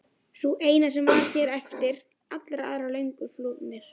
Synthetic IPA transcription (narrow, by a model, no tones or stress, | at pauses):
suʔeːjnasɛmvaɾçɛːɾɛft̪ɪɾ̥ | at̪lɾaaːðɾalœɥŋkʏɾfluːðmɛɾ̥